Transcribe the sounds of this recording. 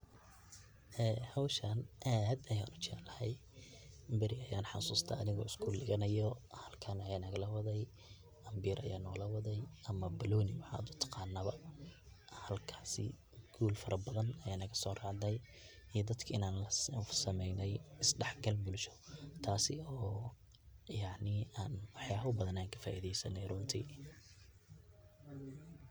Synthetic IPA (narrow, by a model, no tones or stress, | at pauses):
ʔɛːhɔwʃɐnʔaːd̪ɐja̰ːnʊt͡ʃɛ̰lɐhɛj | bɐɾɪɐjaːnħɑ̰suːst̪ʰɐ̰ɐðɪɣɔ̰ːɪskʰʊlɪɣɐnɐjɔhɐlkʰɐnɐjaːnɐɣɐlɐwɐðɛj | ʔɐmbiːɾʔɐ̰jaːnɔːlɐwɐðɛjɐmɐbɐlɔːnɪwɑħa̰ːd̪ʊt̪ʰɑ̥qɑːnːɐβɐ | hɐlkʰḁːsɪ̰ | ɡʰuːlfɐɾɐbɐðɐnɐjanɐɣɐsɔːrɑːʕðɛj | ijd̪ɐd̪kʰɐɪnaːnlɐsɐmɛjnɛjɪsɖɛħɡɐlbʊlʃɔ̥t̪ʰaːsɪɔː | jɑʕnɪaːnwɑħjaːβʊbɐðɐnaːŋkʰɐ̥fa̰ːʔiðɛjsɐnːɛjrʊnt̪ʰiː